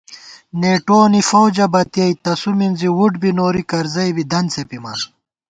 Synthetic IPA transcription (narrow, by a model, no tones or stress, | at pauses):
neːʈoːnifowd͡ʑɐbɐt̪ijɐjt̪ɐsuminziwuɖbinoːɾikɐɾzɐjbid̪ɐnt͡sepimɐn